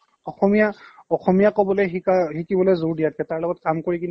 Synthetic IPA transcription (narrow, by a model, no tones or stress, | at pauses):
ɔxɔmijaɔxɔmijakɔbɔlɔjɦiɦikibɔlɛjzuɹdijat̚kɛtaɹlɔɡɔt̚kamkoɹikin